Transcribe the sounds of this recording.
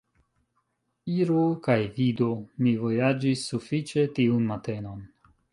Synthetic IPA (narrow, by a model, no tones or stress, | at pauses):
iɾokajvidomivo̞jad͡ʒisːufit͡ʃe̞tiunmate̞no̞n